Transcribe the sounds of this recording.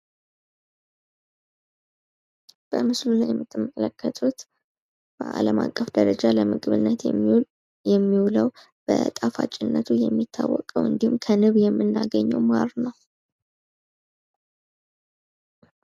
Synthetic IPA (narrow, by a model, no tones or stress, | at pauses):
b̥əmɨslulajɛmːɨt̪ʰːɨməkʼələkːət̪ʰʼut̪ | b̥əʔaləmakʼːəfd̪əɾəd͡ʒaləmɨɡβɨnːət̪ | jɛmːiwuləw | b̥ət̪ʼafa̰t͡ʃʼːɪnːət̪ʰujɛmːit̪ʰːawːɔkʼəwɨnd̪ihumkʰənɨβjɛmːɨnːaɡəɲːɛwmaɾnəw